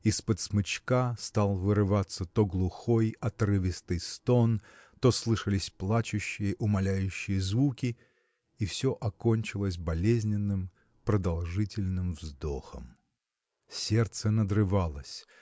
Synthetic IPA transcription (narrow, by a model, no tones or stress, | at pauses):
ispət̪smɨt͡ɕkast̪alˠvɨɾɨvat̪sət̪o̞ɡlˠʊxo̞jɐt̪rɨvʲɪst̪ɨjst̪o̞n | t̪o̞slˠɨʂəlʲɪsʲplˠat͡ɕʊɕːɪjəʔʊmɐlʲæjʉɕːɪjəzvukʲɪ | ifsʲo̞ʔɐko̞nʲt͡ɕɪlˠəsʲbɐlʲezʲnʲɪnːɨm | pɾəd̪ɐlˠʐɨtʲɪlʲnɨmvzd̪o̞xə̰m | sʲe̞rt̪sənəd̪rɨvalˠəsʲ